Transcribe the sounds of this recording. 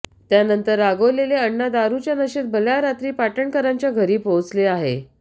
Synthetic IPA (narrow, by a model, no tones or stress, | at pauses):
t̪janənt̪əɾaɡoleleəɳːad̪aɾut͡ɕjanəɕet̪̚bəljaɾat̪ɾiːpaʈəɳkəɾaɲt͡ɕjaɡʱəɾiːpowt͡sleaɦḛ